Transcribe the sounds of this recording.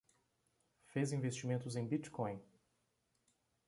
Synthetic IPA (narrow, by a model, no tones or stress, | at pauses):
fezĩvest͡ʃimẽnt̪ʊzẽj̃bit͡ʃkõj̃